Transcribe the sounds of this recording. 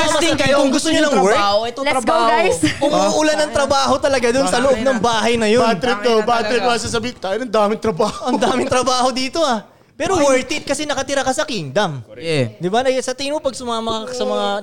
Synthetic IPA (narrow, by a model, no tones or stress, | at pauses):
mɐɪŋkɐjokʊŋɡʊst̪oɲonɐŋwɛoʔɛt̪oɐaɡajskʊŋʔʊlanɐŋt̪ɾɐbaːɦo̞t̪ɐlɐɡad̪ʊnssɐloʔob̚nɐŋbaːɦɐjnɐjont̪ɾɪt̪obat̪ɾɪmas̬ɐs̬ɐbit̪aɐnɐŋd̪aːmɪŋt̪ɾɐbaːhʔɐŋd̪aːmɪŋt̪ɾɐbaːho̞d̪iːt̪o̞ɐ | pɛːɾowɛɹt̪ɪt̪̚kɐsɛnɐkɐt̪ɪɾakɐsɐkiŋd̪ɐmd̪ɪbanɐjsɐt̪ɪɪnmopɐɡ̚sʊmaːmɐkasɐmɐŋa